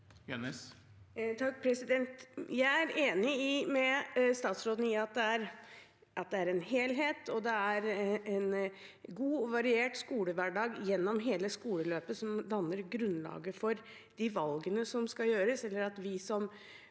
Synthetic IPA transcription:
jɛnəs | t̪ʰɑk̚ːpʰɾɛsɪd̪ɛnt̪jæɪæɾeːnɪɪmɛst̪ɑːt̪sɾoːd̪n̩ɪɑt̪̚d̪ɛæɾ | ʔɑt̪̚d̪ɛæɾɛnɦeːlɦeːt̪ʰɔd̪ɛæɾɛn | ɡuːɔʋɑɾɪeːʈskuːləʋæɖɑːɡjɛnːɔmɦeːləskuːləløːpəsɔmd̪ɑnːəɾɡɾʉnːlɑ̰ːɡəfɔɾ | d̪̥ɪʋɑlɡənəsɔmskɑjøːɾəsɛlːəɾɑt̪ʋɪsɔm

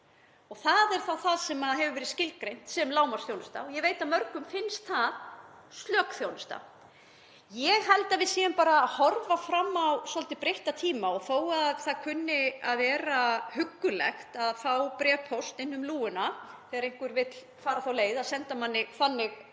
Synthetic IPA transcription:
ɔɣθaðɛɾ̥θawθaðsɛmaðɦɛvʏvɛːɾɪscɪlkɾejn̥t̪sɛmlaːwmaɾ̥sθjownʏst̪a̰ɔjɛveːjt̪amœɾkʏmfɪnst̪θað | st̪lœːkθjownʏst̪a̰ | jɛɣɦɛlt̪avɪðsiːanpaːɾaːhɔɾvafɾamːawsɔlt̪ɪpɾejht̪at̪ʰiːmaɔɣθoːwaðθaðkʰʏnːɪaðvɛːɾahʏkːʏlɛ̰xt̪aðfawpɾɛːpʰɔst̪ɪnːʏmluːʏnaθɛːɣaɾejŋ̥kvʏɾvɪt̪l | faːɾaθawleːjðaðsɛnt̪amanːɪθanːɪɣ

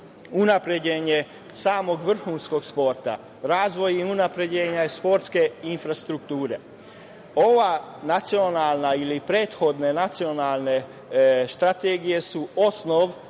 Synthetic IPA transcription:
unapɾed͡ʑeɲe | saːmo̞ɡʋr̩xuːnsko̞ɡspo̞ɾt̪a̰ | ɾaːzʋo̞jiunapɾe̞d͡ʑeːɲaspo̞ɾt̪ske̞infɾast̪ɾuk̚t̪uːɾe̞̰ | o̞ʋanat̪sio̞naːlˠnailipɾe̞ːt̪xo̞d̪ne̞nat̪sio̞nalˠne̞ | st̪ɾat̪eːɡijesuo̞snoʋ

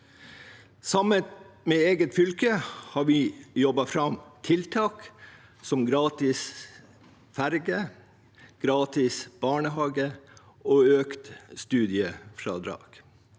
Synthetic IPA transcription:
sɑmənmeːeːɡət̪fʏlkəhɑːɾʋɪjɔbɑfɾɑmt̪ʰɪlt̪ʰɑːk | sɔmɡɾɑːt̪ɪs | fæɾɡə | ɡ̥ɾɑːt̪ɪsb̥ɑːɳəɦɑːɡə | oːøːkt̪st̪ʉːd̪ɪəfɾɑ̰ːd̪ɾɑ̰ːɡ̥

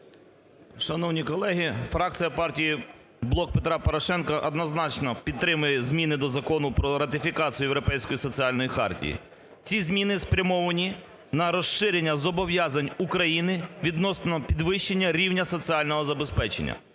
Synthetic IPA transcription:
ʃɐnɔwnʲikɔlˠɛɦifɾɑk̚t͡sʲijɐpɑrtʲiji | blˠɔk̚pet̪ɾɑpɔɾɔʃɛnkɐʔɐd̪nɔznɑt͡ʃnɔpʲid̪t̪ːɾɪmʊjɛzmʲinɪd̪ɔzɐkɔnʊpɾɔɾɐt̪ʲɪfʲikɑt͡sʲijʊjewɾɔpɛjsʲkɔjisɔt͡sʲiɑlʲnɔjixɑ̰rtʲḭjḭ | t͡sʲizmʲinɪspɾʲɐmɔʋɐnʲi | nɐɾɔsɪɾʲenʲːɐzɔbɔʋjɑzɐnʲukɾɐjinɪʋʲid̪nɔsnnɔpʲid̪ʋɪʃt͡ʃːenʲːɐɾʲiwnʲɐsɔt͡sʲiɑlʲnɔɦɔzɐbespɛt͡ʃḛnʲːɐ̰

